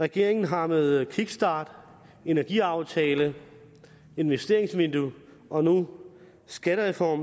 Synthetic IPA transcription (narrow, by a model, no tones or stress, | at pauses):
ʁaɡ̥e̝ɐ̰eŋn̩ɦɑ̈meðˠkʰiɡ̥sd̥ɑ̈ːd̥ | e̝næɐɡ̥iɑ̈ʊt͡sʰɛːlə | e̝nʋesd̥e̝ɐeŋsmind̥u | ʔɒ̽nu | sɡ̥æɾəʁɛfɒ̰m